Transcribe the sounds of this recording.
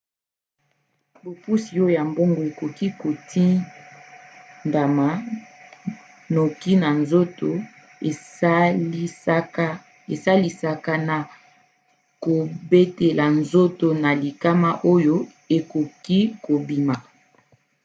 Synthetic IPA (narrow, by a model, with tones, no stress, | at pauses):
bo˨pu˦si˨o˦o˨ja˨mbo˦ŋɡo˨e˨ko˨ki˦ko˨ti˦ | nda˨ma˨ | no˨ki˦na˨nzo˦to˨˦ | e˨sa˦li˨sa˨ka˦na˨ | ko˨be˦te˨la˨nzo˦to˨na˨li˨ka˦ma˦ʔo˦jo˦ | e˨ko˨ki˦ko˨bi˨ma˨